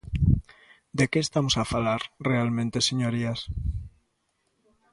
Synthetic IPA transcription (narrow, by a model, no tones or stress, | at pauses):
d̪ekeːst̪amosafalaɾrealmẽnt̪eseɲoɾias